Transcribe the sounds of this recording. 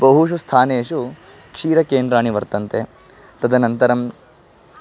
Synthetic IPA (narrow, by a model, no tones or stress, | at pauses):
bɐɦuʃ̬ust̪ʰaːneːʂu | kʂiːɾɐkeːnd̪ɾaːɳiʋɐɾt̪ɐnt̪e | t̪ɐd̪ɐnɐnt̪ɐɾɐm